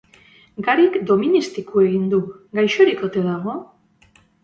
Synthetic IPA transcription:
ɡaɾikd̪o̞minist̪ikue̞ɣind̪uɡajʃo̞ɾikot̪e̞ðaɣo̞

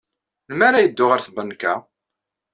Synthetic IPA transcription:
ləmæɾajəd̪ːʊʁəɾθbənkːæ

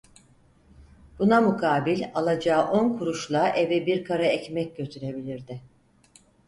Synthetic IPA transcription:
b̥unamukʰaːbilʲalˠad͡ʒaːʔo̞nkʰuɾuʃlˠaʔevɛbiɾkʰaɾaɛcmɛc̚ɟøt̪ʰyɾe̞bilʲiɾd̪ɪ

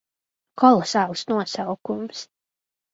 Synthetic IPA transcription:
kɔlˠɔsaːlˠsnuɔsawkums

